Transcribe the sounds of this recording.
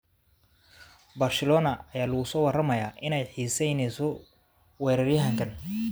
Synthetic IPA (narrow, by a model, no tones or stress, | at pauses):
bɐːrsɛlɔːnɐːjaːlɐɣʊsɔːwɑrɐmɐjaːʔɪnɛjħiːsɛjnɛsɔ | wɛːɾɐrjɐɦɐŋkʰɐn